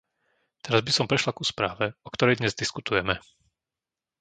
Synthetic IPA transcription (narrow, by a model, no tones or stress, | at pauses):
t̪ɛɾazbisɔmpɾɛʃlakuspɾaːʋɛɔkt̪ɔɾɛjd̪ɲɛzd̪iskut̪ujɛmɛ